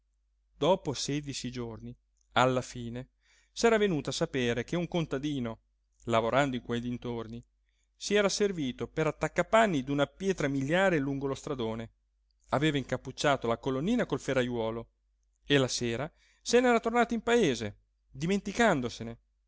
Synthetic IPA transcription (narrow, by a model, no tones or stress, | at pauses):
d̪ɔːposɛːd̪it͡ʃid͡ʒorni | alːafiːne | sɛːɾavenuːt̪oasapeːɾekeuŋkont̪ad̪iːno | lavoɾand̪oiŋkweʎːint̪orni | siɛːɾaserviːt̪opeɾat̪ːakːapanːid̪unapjɛːt̪ɾamiʎːjaːɾeluŋɡolost̪ɾad̪oːne | aveːvaiŋkapːut͡ʃːaːt̪olakolonːiːnakolferajwɔːlo | elaseːɾa | senɛːɾat̪ornaːt̪oimpaeːze | d̪iment̪ikand̪osene